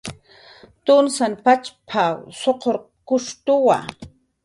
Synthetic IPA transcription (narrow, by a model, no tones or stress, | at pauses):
t̪ʊnsanpat͡ʃpʰawsoqoɾ | kʊʂt̪ʊwa̰